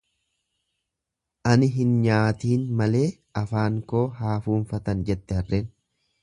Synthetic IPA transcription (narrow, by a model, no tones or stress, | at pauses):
ʔɐnɪɦɪnɲaːt̪iːnmɐle̞ː | ɐfaːŋko̞ːɦaːfuːnfɐt̪ɐnd͡ʒɛt̪ːɛhɐrːeːn